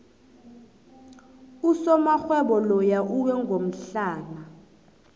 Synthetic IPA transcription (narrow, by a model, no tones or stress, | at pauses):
usɔmaxwɛɓɔlɔjaʔuwɛŋɡʱom̩ɬaːna